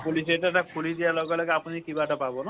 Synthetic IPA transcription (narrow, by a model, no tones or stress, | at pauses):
pulis̬eʈaʈakʰulid̪ialɔkɔlɔkapɔnikibaʈɔpabɔnɔ